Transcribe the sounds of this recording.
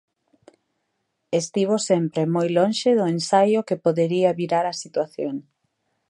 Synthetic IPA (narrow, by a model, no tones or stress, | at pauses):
est̪iβ̞osempɾemojlõnʃɪðʊensajʊkepoðeɾiɐβiɾaɾɐsit̪waθjoŋ